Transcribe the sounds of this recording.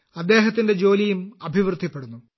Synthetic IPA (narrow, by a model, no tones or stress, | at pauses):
ɐd̪ːe̞ːɦɐt̪ːinde̞d͡ʑo̞ːlijumɐbʱiʋrɨd̪ʱːipːe̞ɽunːu